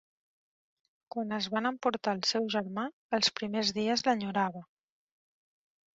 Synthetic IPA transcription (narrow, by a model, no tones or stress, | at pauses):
kwanəzβanəmpuɾt̪aːlˠsɛwʒəɾma | əlˠspɾimezðiəzləɲuɾaβ̞ə